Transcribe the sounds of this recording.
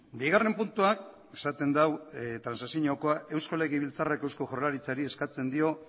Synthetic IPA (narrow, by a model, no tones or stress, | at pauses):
biɣare̞mpunt̪uak̚ | e̥sat̪e̞nd̪awt̪ɾansasjiɲoko̞aʔe̞wsko̞le̞ɣiβ̞ilt͡sarekewsko̞ʝorlaɾit͡saɾie̞skat͡se̞nd̪io̞